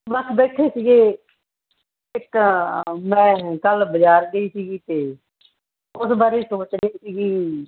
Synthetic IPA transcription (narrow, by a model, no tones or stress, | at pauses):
bəkʰbeːʈʰeːsiːɡeː | ɪk | mɛ̃ːkəlbəd͡ʒaːɾɡəiːsiːɡiːt̪eː | ʊsbaːɾeːsoːt͡ʃɡəiːsiːɡiː